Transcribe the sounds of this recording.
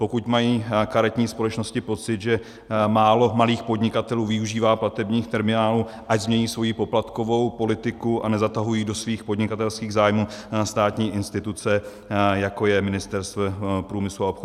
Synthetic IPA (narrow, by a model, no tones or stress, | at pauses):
pokucmajiːkaɾɛt̪ɲiːspo̞lɛt͡ʃno̞scɪpo̞t͡sɪd̪ʒɛ | maːlo̞maliːxpod̪ɲɪkat̪ɛluːvɪuʒiːvaːplat̪ɛbɲiːxt̪ɛɾmɪnaːlu | ʔaɟzmɲɛɲiːsvo̞jipo̞plat̪ko̞vo̞wpo̞lɪt̪ɪkuʔanɛzat̪aɦujiːdo̞sviːxpodɲɪkat̪ɛlskiːɣzaːjmuːst̪aːt̪ɲiːʔɪnst̪ɪt̪ut͡sɛ | jako̞jɛmɪnɪst̪ɛɾst̪vɛpɾuːmɪsluaopxo